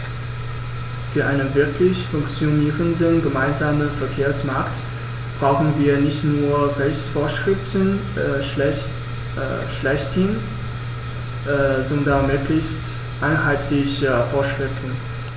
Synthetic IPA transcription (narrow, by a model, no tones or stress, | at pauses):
fyːɐʔaɪnənvɪɐkʰlɪçfʊŋkt͡sjoniːʁəndənɡəmaɪnzaːmənfɛɐkʰeːɐsmaɐkt | b̥ʁaʊxn̩viːɐnɪçtnuːɐʁɛçt͡sfoːɐʃʁ̥ɪftən | ɛ̰ | ʃlɛçtʰɪn | ʔzɔndɐnmøːklɪçst | ʔaɪnhaɪtʰlɪçəfoːɐʃʁ̥ɪftn̩